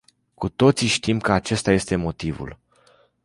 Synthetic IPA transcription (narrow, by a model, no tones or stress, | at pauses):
kut̪o̞t̪siʃt̪imkəat͡ʃe̞st̪aje̞st̪e̞mo̞t̪ivṵl